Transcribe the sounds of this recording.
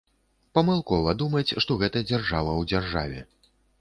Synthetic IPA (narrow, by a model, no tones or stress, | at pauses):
pɐmɨlˠkɔvɐd̪umɐt͡sʲʂt̪ɔɣɛt̪ɐd͡zʲarʐavɐwd͡zʲarʐa̰vʲɛ